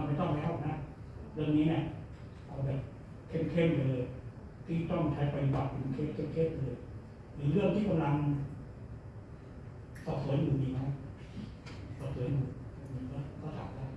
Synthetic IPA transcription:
a˧nma˧˩t̪ɔ˥˩ŋpa˧˩ʔɔː˨˩k̚na˦˥ɾɯ˥˩əŋniː˦˥ni˧˥˩ɐ | ʔa˧wbɛː˨˩p̚ | kʰe˥˩mkʰe˥˩mlɤː˧jj | t̪ʰiː˥˩t̪ɔ˥˩ŋt͡ɕʰa˦˥jpa˧ju˧ba˨˩t̪̚pʰu˨˩˦nkʰe˦˥˩kʰe˥˩mkʰe˥˩m̚lɤː˧j | ɾɯː˨˩˦ɾɯ˥˩əŋt̪ʰiː˥˩ka˧mla˧ŋ | sɔː˨˩p̚su˨˩˦ənjuː˨˩ʔiː˧˩ma˦˥j | sɔː˨˩suː˩˦njuː˨˩˨miː˧kɔː˥˩kɔː˥˩sa̰ː˨˦mla˧˥˩

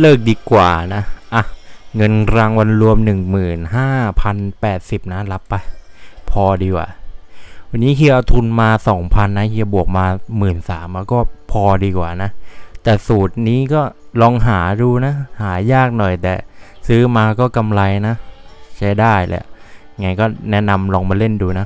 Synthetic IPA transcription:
lɤː˥˩k̚diː˧kwa̰ː˨˩na˦˥ʔa˧˩ŋɤ˧nɾa˧ŋwa˧nɾu˧əmnɯ˨˩ŋmɯː˨˩nɦaː˥˩pʰa˧npɛː˨˩t̪̚si˨˩p̚na˦˥la˦˥pːa˧jpʰɔː˧diː˧kwa̰ː˨˩ | wa˧nːiː˦˥kʰi˧˩ʔa˧t̪ʰu˧nmaː˧sɔː˩˦ŋpʰa˧nːa˦˥kʰi˧˥˧bu˨˩ək̚maː˧mɯː˨˩nsa̰ː˩˦mʔa˧˥kɔː˥˩pʰɔː˧diː˧kwaː˨˩na˦˥t̪ɛː˨˩suː˨˩t̪̚niː˦˥kɔː˥˩lɔː˧ŋɦaː˩˦duː˧na˦˥haː˩˦jaː˥˩k̚nɔ˨˩jt̪ɛ̰ː˨˩sɯː˦˥maː˧kɔː˥˩ka˧mla˧jna˦˥ʔt͡ɕʰa˦˥jdaː˥˩jlɛ̰˧˩˧ | ŋa˧jkɔː˥˩nɛ˦˥na˧mlɔː˧ŋmaː˧le˥˩nduː˧na˦˥

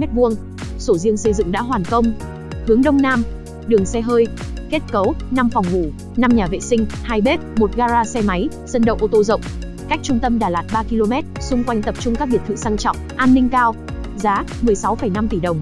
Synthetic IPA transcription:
ɛ˦˥t̚vu˧əŋ | so˧˩zi˧əŋsə˧jzɨ̰˧˨ŋɗa̰ː˧˥ɦwaː˨˩nkə˧wŋ͡m | hɨ˨˦əŋɗə˧wŋ͡mnaː˧m | ɗɨ˨˩əŋsɛ˧ɦəː˧jke˦˥t̚kə˨˦wna˧mfɔ˨˩wŋ͡mvu˧˩ | na˧mɲaː˨˩vḛ˧˨sï˧ŋ̟haː˧jɓe˦˥t̚mo˨˩t̚ɣaː˧zaː˧sɛ˧ma˨˦j | z̥ə˧nɗə̰˧˨wʔo˧t̪o˧zə̰˧˨wŋ͡m | ka˦˥k̟̚t͡ɕʊ˧ŋ͡mt̪ə˧mɗaː˨˩laː˨˩t̚ɓaː˧ki˧lo˧mɛ˦˥t̚sʊ˧ŋ͡mkwa˧jŋ̟t̪ə˨˩p̚t͡ɕʊ˧ŋ͡mkaː˦˥k̚ɓi˨˩ət̪ʰɨ̰˧˨saː˧ŋt͡ɕɔ̰˧˨wŋ͡mʔaː˧nːï˧ŋ̟kaː˧w | zaː˨˦mɨ˨˩əjsa˨˦wfə˧˩jna˧mt̪i˧˩ɗə˨˩wŋ͡m

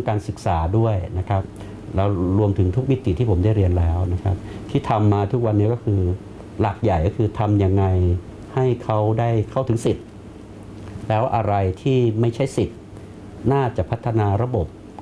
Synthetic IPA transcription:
ŋkaː˧nsɯ˨˩k̚saː˩˦du˥˩əjna˦˥kʰɾa˦˥p̚ | lɛː˦˥wɾu˧əmt̪ʰɯ˩˦ŋt̪ʰu˦˥k̚mi˦˥t̪i˨˩t̪ʰiː˥˩pʰo˩˦mda˥˩jɾi˧ənlɛː˦˥wna˦˥kʰa˦˥p̚t̪ʰiː˥˩t̪ʰa˧mːaː˧t̪ʰu˦˥k̚wa˧nːi˦˥kɔ˥˩kʰɯː˧ | laː˨˩k̚ja˨˩jkɔ˥˩kʰɯː˧t̪ʰa˧mja˧ŋːa˧j | ha˥˩jkʰa˦˥wdaː˥˩jkʰa˥˩wt̪ɯ˩˦ŋsi˨˩t̪̚ | lɛː˦˥wʔa˧ɾa˧jt̪ʰiː˥˩ma˥˩jt͡ɕʰa˥˩jsi˨˩t̪̚ | naː˥˩t͡ɕa˨˩pʰa˦˥t̪ʰːa˧naː˧ɾa˧bo˨˩p̚

